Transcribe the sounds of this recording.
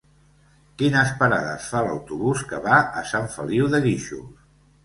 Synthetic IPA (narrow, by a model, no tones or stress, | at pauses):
kinəspəɾaðə̰sfaləwt̪uβuskəβaʔəsaɱfə̰liwðəɣiʃṵ